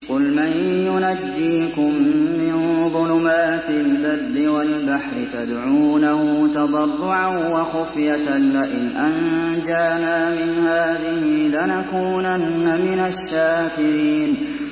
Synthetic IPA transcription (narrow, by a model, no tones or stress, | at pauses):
qʊlmanjʊnad͡ʒːiːkʊmːɪnðˤʊlʊmaːt̪ɪlːad̪ːɪwalbaħɾɪt̪ad̪ʕuːnahʊt̪ɑd̪ˤɑrˤːʊʕawaxʊfjat̪nːaʔɪnʔand͡ʒaːnaːmɪnhaːðɪhɪlanakuːnanːamɪnaʃːaːkɪɾiːn